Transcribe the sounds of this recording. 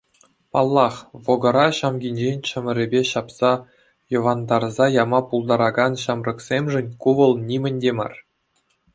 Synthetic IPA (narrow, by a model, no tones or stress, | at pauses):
pɑlˠːɑχʋoɡɤ̆ɾɑɕɑmɡʲinʲd͡ʑenʲt͡ɕɘ̆mʲɘ̆ɾʲɘ̆bʲeɕɑpsɑ | jɤ̆ʋɑnd̪ɑrzɑjɑmɑpulˠd̪ɑɾɑɡɑnɕɑmrɤ̆ksʲemʲʐɘ̆nʲkuʋɤ̆lˠnʲimʲɘ̆nʲdʲemɑ̰r